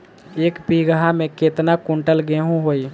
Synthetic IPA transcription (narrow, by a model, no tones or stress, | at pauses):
eːkpiɡəɦamẽket̪nakʊ̃ɳʈəlɡeɦũɦoːi